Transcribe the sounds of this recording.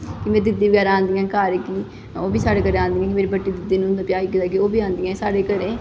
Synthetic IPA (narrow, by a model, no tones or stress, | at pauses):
kɪmɛ̃ːd̪ɪd̪iːʋəɡɛːɾããːnd̪iːãːkaːɾkiː | oːbiːsaːɽeːkəɾẽãːnd̪iːãːkɪmeːɾiːbəʈːiːd̪ɪd̪iːnũɦnd̪aːpjaːiːkɪt̪aːkioːbʱiːãːnd̪iːãːsaːɽeːkəɾẽː